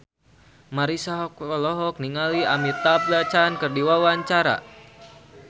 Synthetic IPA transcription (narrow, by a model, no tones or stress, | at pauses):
maɾisaɦɔk̚ɔlɔɦɔk̚niŋaliamit̪aplat͡ʃankɨrdiwawaɲt͡ʃaɾa̰